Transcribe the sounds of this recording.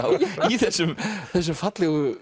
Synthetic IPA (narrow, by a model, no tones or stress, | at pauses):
wiθɛsʏmθɛs̬ʏmfat̪lɪɣə